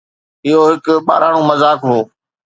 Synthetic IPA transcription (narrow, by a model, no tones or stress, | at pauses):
ɪɦoɦɪkɓa̰ːɾaːɽ̃õːmɐzaːkɾũː